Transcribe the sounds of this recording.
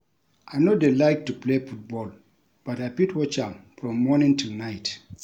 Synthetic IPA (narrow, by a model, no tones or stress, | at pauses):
ʔajnodelaɪk̚tuplefut̚bɔl | b̥atajpitwɔt͡ʃãmfɹɔ̃mːɔnĩŋtʰunaɪt